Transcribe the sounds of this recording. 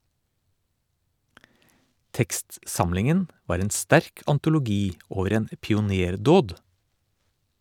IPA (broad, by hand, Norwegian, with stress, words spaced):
ˈtɛkstˌsɑmlɪŋən ˈʋɑːɾ ˈeːn ˈstæɾk ɑntʊlʊˈɡiː ˈoːʋəɾ ˈeːn ə pɪʊˈneːɾˌdoːd